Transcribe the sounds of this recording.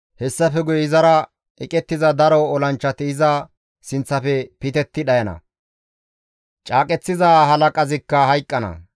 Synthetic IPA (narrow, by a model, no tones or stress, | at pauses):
hɛsːɐfɛɡʊjɪzɐɾɐ | ɛkʼɛt̪ːɪzɐd̪ɐɾɔːlɐnt͡ʃːɐt̪ɪɪzɐ | sɪnt͡sːɐfɛpɪt̪ɛt̪ːɪɗɐjɐnɐ̰ | t͡ʃʼaːkʼɛt͡sːɪzaːɦɐlɐkʼɐzɪkːɐɦɐjkʼːɐnɐ̰